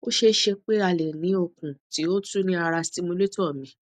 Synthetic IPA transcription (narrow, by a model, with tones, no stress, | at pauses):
o˦ʃe˧ʃe˧k͡pe˦a˧˨le˨nĩ˨˦o˦˨kũ˨ti˨˦o˦tu˦nĩ˦a˧ɾa˧si˦mũ˧le˦tɔ˦˨mĩ˨˧˦